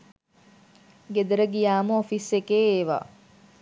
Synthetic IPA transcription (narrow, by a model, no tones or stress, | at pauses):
ɡed̪əɾəɡijaːməofisekeːeːʋa̰ː